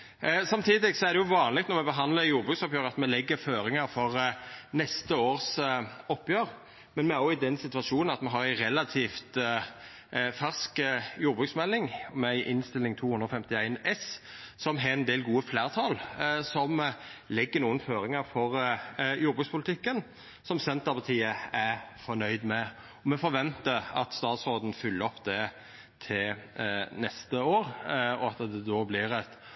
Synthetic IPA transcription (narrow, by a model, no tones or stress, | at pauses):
sɑmt̪ʰiːd̪ɪɡsɔæɾʁd̪ɛjʊʋɑːnlɪk̚t̪nɔɾmɛbəɦɑnd̪ləɾjuːɾbʁʉːksɔpjøːɾəɑt̪mɛlɛɡːəɾføːɾɪŋəɾfɔʁnɛst̪əoːʁsɔpːjøːʁ | mɛnmɛæɾɔɪd̪ɛnsɪt̪ʉɑʃuːnnɑt̪mɛɦɑɾæɪɾɛlɑt̪ʰiːft̪ | fæʁskjuːɾbʁʉːksmɛlːɪŋɔmɛɪʔɪnst̪ɪlːɪŋt̪ʰuːhʉnd̪ɾɔfɛmt̪ɪæɪnɛssɔmɦɑɛnd̪eːlɡuːəfleːɾt̪ʰɑlsɔmlɪɡːənuːənføːɾɪŋəɾfɔɾjuːɾbʁʉkspʰʊlɪt̪ʰɪkːən | sɔmsɛnt̪əpʰɑt̪ʰiːəæfɔnœʏd̪mɛ | ɔmɛfɔɾʋɛnt̪əɑt̪st̪ɑːt̪sʁoːd̪n̩fʏlːəɾɔpd̪ɛ | t̪ʰɪl | nɛst̪əoːɾɔɑt̪d̪ɛd̪oːblɪɾɛt̪